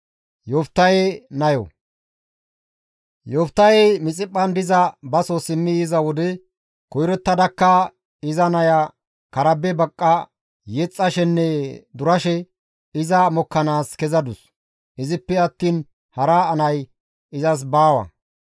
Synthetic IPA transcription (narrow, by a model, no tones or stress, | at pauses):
jɔft̪ːɐjenɐjɔ̰ | jɔft̪ːɐjɛmɪt͡sʼɪpʼːɐnd̪ɪzɐbɐsosɪmːɪjɪzɐwɔd̪ɛ | kɔjɾɔt̪ːɐd̪ɐkːɐ | ɪzɐnɐjɐ | kɐɾɐbɛbɐkʼːɐ | jɛt͡sʼːɐʃɛnːɛd̪ʊɾɐʃɛ | ɪzɐmɔkːɐnaːskɛzɐd̪ʊs | ɪzɪpːɛɐt̪ːiːn | hɐɾaːnɐj | ɪzɐs̬baːwɐ̰